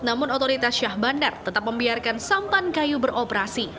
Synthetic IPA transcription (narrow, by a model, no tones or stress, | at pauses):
namʊnɔt̪oɾit̪asʃahbandərt̪ət̪ap̚məmbiarkansampankajubəɾopəɾasi